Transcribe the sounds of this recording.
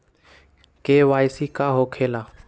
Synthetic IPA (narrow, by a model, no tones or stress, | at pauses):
keːʋaːjɪsiːkaːɦoːkʰeːlaː